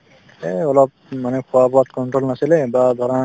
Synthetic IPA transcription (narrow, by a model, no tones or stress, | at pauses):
eɔlɔp̚ | manɛkʰɔwabɔat̪kɔɳʈɹolnasilɛbad̪ʱɔɹɔn